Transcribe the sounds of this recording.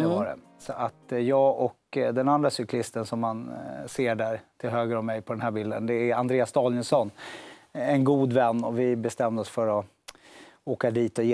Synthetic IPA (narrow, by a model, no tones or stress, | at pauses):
ɛvɑɾɛ̰ | sɔʔat̪jɑːɡɔkd̪ɛnand̪ɾasʏklɪst̪ənsɔmːanseːɖæɾt̪ʰɪlɦøːɡɾɔmɛjpʰɔd̪ɛnɦæːɾbild̪ə̰nd̪ɛæɾand̪ɾeːasd̪ɑːljɪnsɔnː | ɛnɡuːd̪vɛnːɔvɪbɛst̪ɛmd̪əɔsfœɾɔ | oːkad̪iːt̪ɔjeː